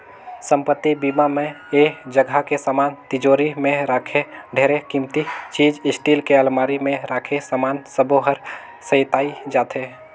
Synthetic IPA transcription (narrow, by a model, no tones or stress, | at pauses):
sə̃mpət̪ːibiːmamẽ | eːd͡ʒəɡʱakesaːmaːnt̪ɪd͡ʒoːɾimẽɾaːkʰeɖʱeːɾekĩmt̪it͡ʃiːd͡ʒɪsʈiːlkeəlmaːɾimẽɾaːkʰesaːmaːnsəboɦəɾ | səɪt̪aːid͡ʒaːt̪ʰeː